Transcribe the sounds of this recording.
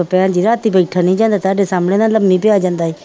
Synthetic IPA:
opeãːnd͡ʒiːɾaːt̪iːbəiʈʰanĩːd͡ʒãːnd̪aːt̪aːɖeːsaːmɽẽːnaləbmĩːpɪjaːd͡ʒãːnd̪aːeː

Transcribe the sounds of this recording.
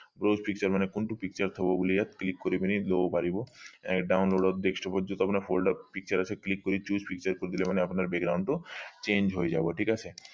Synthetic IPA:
bɾospik̚t͡ɕaɾmanekonʈupik̚t͡ɕaɾt̪ʰɔbobolijat̪klikːoɾibeniloopaɾiboɛkɖawnloɖɔdd̪ekʃʈɔpɔd͡ʒɔnt̪ɔapnaɾfʰolɖɔpik̚t͡ɕaɾat͡ɕʰeklikːoɾit͡ɕuspik̚t͡ɕaɾkoɾed̪ilemaneapnaɾbeɡɾaw̃ɳɖʈut͡ɕẽnd͡ʑɦojd͡ʒa̰boʈʰikat͡ɕʰe

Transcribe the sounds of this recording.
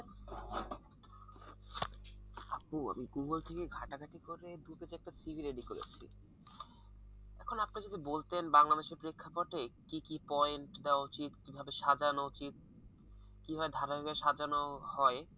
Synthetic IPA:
apua̰miɡuŋɡolt̪ʰekeɡʱaʈaɡʱaʈikoɾed̪uped͡ʑɛk̚ʈasibʱiɾeɖikoɾḛt͡ɕʰḭ | ɛkʰonap̚nad͡ʑod̪ibolt̪enbaŋlad̪eʃeɾpɾekʰːapoʈekikipɔeɳʈd̪eoaut͡ɕit̪kibʱabeʃad͡ʑanout͡ɕit̪̚ | kiɦɔed̪ʱaɾaeɡeʃad͡ʑanohɔe

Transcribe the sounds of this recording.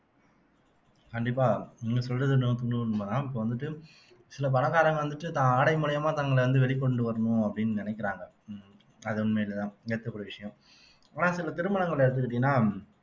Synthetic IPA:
kɐɳɖɪpːaːɪŋɡɐsɔlrɐðɯnɯmt̪ʊɳɯʋɐnɯmɐːt̪ãːɪpːɐːʋɐnd̪ɯʈːɯ | sɪlɐp̬ɐnɐɣaːɾɐŋɡɐʋɐnd̪ɯʈːɯt̪ãːaːɽɐɪmʊɭɐjɐmaːt̪ɐːŋɡɐɭʋɐnd̪ɯʋɛɭɪkːɔɳɖɯʋɐɾɐɳʊ̃ɐpːɐɽɪnːɯnɪnɛkːɪɾaːŋɡɐ | ɐðɯɔnmeːɪlɐt̪ãːɐt̪ːɐpːɐɽɐʋɪʂɐjɐ̃mː | naːsɪlɐt̪ɪɾɯmɐɳɐŋɡɐɭɛɽɯt̪ːɯkːɪʈ̬ːɪːnːaː

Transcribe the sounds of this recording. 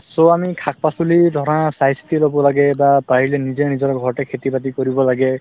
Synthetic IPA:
sɔamikʰak̚pasulid̪ʱɔɾãsajstilɔbɔlaɡɛbabaɦilenizenizɔɾɔɡʱɔɹɔʈɛkʰet̪ibatikɔɾibɔlaɡɛ

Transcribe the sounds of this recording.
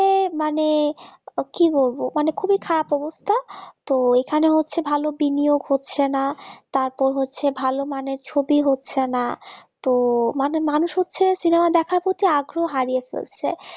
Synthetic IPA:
emane | kibolbomanekʰubikʰaɾapɔbost̪ʰat̪oekʰaneɦotːɕʰebʱalobinijoɡɦotːɕʰenat̪aɾpɔɾɦotːɕʰebʱalomaneɾt͡ɕʰobiɦotːɕʰenat̪omanemanuʃɦotːɕʰesinemad̪ɛkʰaɾpɾot̪iaɡɾoɦaɾijefḛlt͡ɕʰḛ

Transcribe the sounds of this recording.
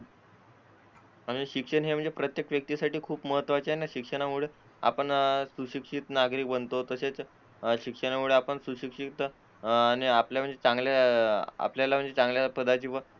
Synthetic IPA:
amiɕikʂəɳɦem̤əɳnd͡zepɾət̪jekʈʋjək̚t̪iːsaʈiːkʰuːpməɦət̪ʋat͡ɕeɦenaɕikʂəɳ̃amuɭe | a̰pəɳsuɕikʂit̪naɡɾiːk̚bənt̪ot̪əset͡s | ɕikʂəɳamuɭeapəɳsuɕikʂit̪ | añiapljam̤əɳd͡zet͡saŋɡljaa̰pljalam̤əɳd͡zet͡sãŋɡljapəd̪ʱat͡ɕiːʋə

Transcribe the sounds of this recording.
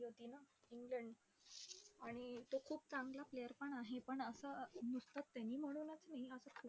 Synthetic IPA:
ɦot̪iːnaiŋɡləɳɖ | aɽ̃it̪okʰuːp̚t͡sãŋɡlaplejəɾpəɳaɦepəɳəsənust̪at̪ːjaniːm̤əɽ̃uːnət͡snaiəsəkʰu

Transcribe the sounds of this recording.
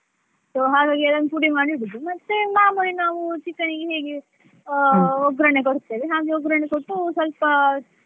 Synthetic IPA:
soɦaːɡaːɡiɐlɐnpuɽimaːɽibid̪umɐt̪ːemaːmuɭinaːʋut͡ʃikːɐɳiɡeɦeːɡe | ɔɡɾɐɳekoɾt̪ːeʋiɦaːɡeɔɡɾɐɳekoʈːusɐlpɐ

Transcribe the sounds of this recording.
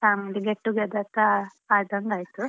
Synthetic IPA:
aːmɐɖ̪iɡeʈːuɡed̪ɐt̪a | aːd̪ɐŋɡaːjt̪u

